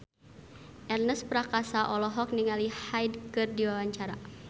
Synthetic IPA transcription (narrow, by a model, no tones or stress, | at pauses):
ʔɛrnəspɾakasaʔɔlɔɦɔk̚niŋalihajdkɨrdiwawaɲt͡ʃaɾa̰